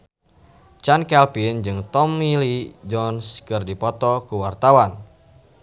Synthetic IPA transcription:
t͡ʃankɛlpind͡ʒɨŋt̪ɔmːilid͡ʒɔnskɨrdipɔt̪ɔkuwart̪awan

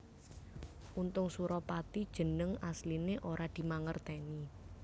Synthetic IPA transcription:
ʔunt̪ʊŋsuɾɔpat̪id̥ʒ̥ə̤nəŋaslineʔoɾʔad̪̥i̤maŋərt̪ɛni

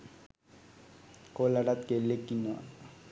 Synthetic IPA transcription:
kolaɽat̪̚kelːekːinːua̰

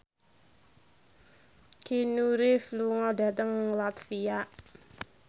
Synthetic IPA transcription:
kinuɾefluŋɔda̤t̪əŋlat̪fiaʔ

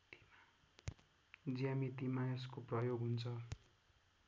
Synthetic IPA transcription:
d͡ziamit̪imaes̬koprʌjoɡʱɦunt͡sʰʌ

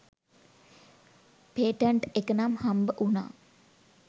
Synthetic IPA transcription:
peːʈəɳʈekənamhambəʔuna̰ː

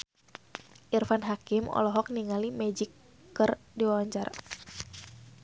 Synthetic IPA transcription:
ʔirfanɦakimɔ̰lɔɦɔk̚niŋalimɛd͡ʒikː | ərdiwaɲd͡ʒar

